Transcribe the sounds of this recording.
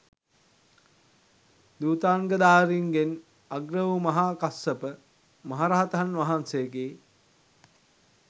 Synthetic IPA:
d̪uːt̪aːŋɡəd̪aːɾiŋɡen | aɡɾəʋumɐɦaːkasəpə | mɐɦaɾaɦat̪ɐɦanʋaɦansejəɡeː

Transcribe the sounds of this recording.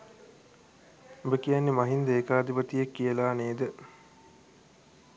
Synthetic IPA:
obəkijanːemaɦind̪əekaːd̪ipət̪ijekːijəlaːneːd̪ə

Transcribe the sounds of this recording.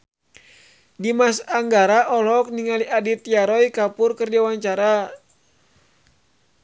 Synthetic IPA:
dimasaŋɡaɾaʔɔlɔk̚niŋaliʔadit̪jaɾɔjkapʊrkərd͡ʒawaɲt͡ʃaɾa

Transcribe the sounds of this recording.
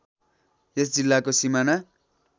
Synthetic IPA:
jesd͡zilːakosimana

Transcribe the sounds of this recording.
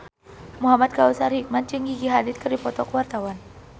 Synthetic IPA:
muɦamat̪̚kausarhik̚man̚t͡ʃəŋɡiɡiɦadɪt̪̚kɨrdipɔt̪ɔkwart̪awan

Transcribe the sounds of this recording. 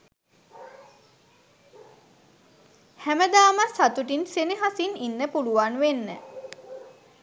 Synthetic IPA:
hæməd̪aːməsat̪uʈinseniɦasininːəpuluʋanʋenːə̰

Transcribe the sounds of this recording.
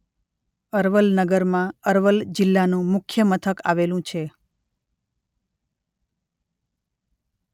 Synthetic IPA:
əɾʋəlnəɡəɾmãəɾʋəld͡ʒɪlːanũmʊkʰjəmət̪ʰəka̰ʋelũt͡ʃʰe

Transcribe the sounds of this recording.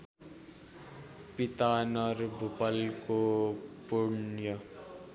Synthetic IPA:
pit̪anʌɾbʱupʌlkopunjʌ

